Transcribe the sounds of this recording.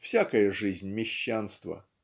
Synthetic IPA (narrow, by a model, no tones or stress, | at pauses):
fsʲakəjəʐɨzʲnʲmʲɪɕːanst̪və̰